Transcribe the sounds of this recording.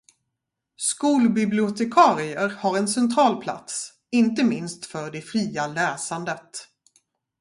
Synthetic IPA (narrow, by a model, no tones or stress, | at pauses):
skuːlbɪblɪʊt̪ɛkʰɑːɾɪəɾhaɾɛnsɛnt̪ʰɾɑːlpʰla̰t̪s | ɪnt̪əmɪnst̪fœɖɛfɾiːalɛːsand̪ət̪